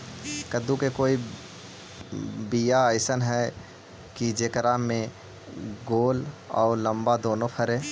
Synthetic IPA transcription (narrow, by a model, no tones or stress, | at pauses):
kəd̪ukekoːi | bijaəɪsənɦɛ | kid͡ʒeːkəɾamẽ | ɡoːlɔ̰ːɾləmbad̪oːnopʰəɾe